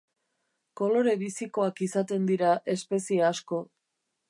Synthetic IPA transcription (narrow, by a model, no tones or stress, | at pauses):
ko̞lo̞ɾe̞βisiko̞akisat̪e̞nd̪iɾaʔe̞spe̞sieasko̞